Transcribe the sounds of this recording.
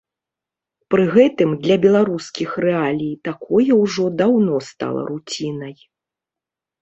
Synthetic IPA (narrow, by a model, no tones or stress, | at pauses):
pɾɨɣɛt̪ɨmd̪lʲɐbʲɛlˠaɾuskʲixrɛalʲijt̪akʰɔjɛwʐɔd̪awnɔst̪a̰lˠɐ̰ɾut͡sʲinɐj